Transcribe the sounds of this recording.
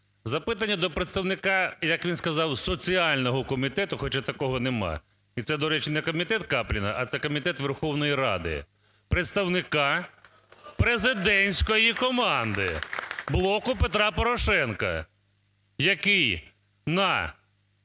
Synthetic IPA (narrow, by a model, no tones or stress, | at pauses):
zɐpɪt̪ɐnʲːɐd̪ɔpɾet̪st̪ɐwnɪkɑjɐkʋʲinskɐzɑwsɔt͡sʲiɑlʲnɔɦɔkɔmʲit̪ɛt̪ʊxɔt͡ʃat̪ɐkɔɦɔnemɑ̰ | it̪sɛd̪ɔɾɛt͡ʃnɛkɔmʲit̪ɛt̪̚kɑplʲinɐ̰ʔɐt̪sɛkɔmʲit̪ɛt̪ʋerxɔwnɔjiɾɑ̰d̪ɪ̰ | pɾet̪st̪ɐwnɪkɑ | pɾezɪd̪ɛnʲsʲkɔjikɔmɑnd̪ɪ̰blˠɔkʊpet̪ɾɑpɔɾɔʃɛnkɐ̰ | jɐkɪj | nɐ